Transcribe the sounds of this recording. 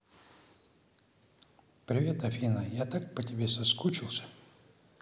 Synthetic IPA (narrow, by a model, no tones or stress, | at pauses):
pɾʲɪvʲet̪ɐfʲinəjat̪ak̚pətʲɪbʲesɐskut͡ɕɪlˠsʲə̥